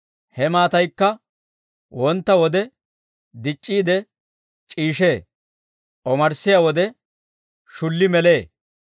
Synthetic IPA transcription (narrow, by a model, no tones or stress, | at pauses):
hɛmaːt̪ɐjkːɐ | wɔnt̪ːɐwɔd̪ɛ | d̪ɪt͡ʃʼːiːd̪ɛ | t͡ʃʼiːʃeː | ʔɔmɐɾsɪjaːwɔd̪ɛ | ʃʊlːɪmɛle̞ː